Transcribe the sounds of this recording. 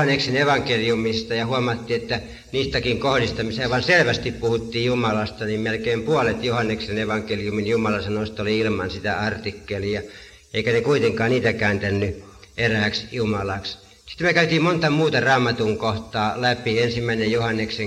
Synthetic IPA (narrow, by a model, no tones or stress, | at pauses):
ɑnːekseneʋɑŋkelijumist̪ɑjɑhuɑmɑt̪ːiːet̪ːæ | niːst̪ækiŋkohlist̪ɑmiseːʋɑnselʋæst̪ippuhut̪ːiːjjumɑlɑst̪ɑnimmelkeːˑmpuolet̪johɑnːekseneʋɑŋkelijuminjumɑlɑsɑnost̪oliilmɑ̰nsit̪æɑrt̪ikːeliɑ | ʔeˑikænekuit̪eŋkɑːnniːt̪ækæˑːnt̪ænːy | ʔeræˑksjumɑlɑks | si̥t̪ːmøkæyt̪iːmmont̪ɑmuːt̪ɑrɑːmːˑɑt̪uŋkoht̪ˑɑːlæpiensimːæˑinejjohɑnːekse